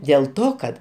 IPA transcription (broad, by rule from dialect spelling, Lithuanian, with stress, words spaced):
dʲeːlˠ ˈtoː kɐt